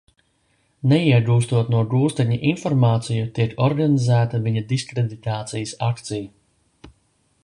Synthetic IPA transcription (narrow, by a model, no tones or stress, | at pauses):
nɛiɛɡuːst̪uɔt̪nuɔɡuːst̪ɛɲiʔinfɔɾmaːt̪sijut̪iɛkɔɾɡanizæːt̪ɐviɲɐd̪iskɾed̪it̪aːt̪sijəsakt̪sijɐ